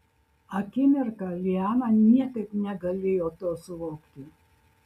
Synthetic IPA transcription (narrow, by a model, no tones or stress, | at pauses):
ɐkʲɪmʲɪɾkɐlʲɪɑːnɐnʲiɛkɐɪpnʲɛɡɐlʲeːjoːt̪oːsʊʋoːkt̪ʲɪ